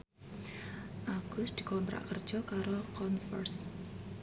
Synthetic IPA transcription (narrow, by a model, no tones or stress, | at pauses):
ʔaɡ̥ʊsd̪̥i̤kɔnt̪ɾa̰ʔkərd͡ʒɔkaɾokɔnfərs